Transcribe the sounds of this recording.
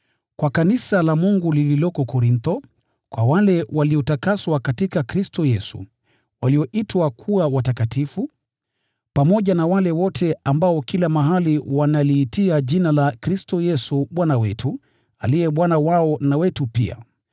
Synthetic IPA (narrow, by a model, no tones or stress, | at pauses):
kwakanisalamuŋɡulililɔkɔkɔɾint̪ɔ | kwawalɛwʔaliɔtakaswakatikakɾistɔjɛsṵ | waliɔʔitwakʰuawatakatifu | pamɔʄanawalɛwɔtʰɛambaɔkilamaɦaliwanaliːtiaʄinalakɾistɔjɛsuɓwanawɛ̰tu | a̰lijɛɓwanawaɔnawɛtupḭa̰